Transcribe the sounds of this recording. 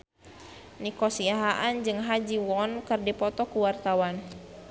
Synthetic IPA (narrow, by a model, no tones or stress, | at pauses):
nikɔsiaɦaʔand͡ʒɨŋɦad͡ʒiwɔnkɨrdipɔt̪ɔkuwart̪awan